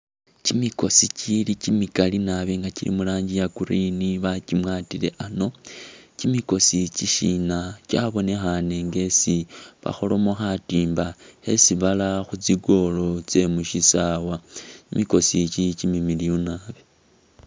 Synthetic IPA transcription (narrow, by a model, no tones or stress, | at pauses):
cimiko̞sicilicimikalinaβe̞ŋɡacilḭmulaːɲɟijakuɾiniβacimwaːtile̞̰ʔano̞cimiko̞siciʃinacaβo̞ne̞xane̞ŋɡe̞siβa̰xo̞lo̞moxatiːmbae̞siβalaxut͡siɡo̞lo̞t͡se̞muʃisawaimiko̞sicicimimilijonaβe